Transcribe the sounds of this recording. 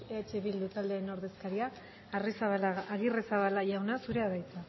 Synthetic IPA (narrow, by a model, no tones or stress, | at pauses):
eat͡ʃeβild̪ut̪ald̪eno̞ɾðe̞skaɾiaː | risaβalaaɣiresaβalaʝawnasuɾe̞aðajt͡sa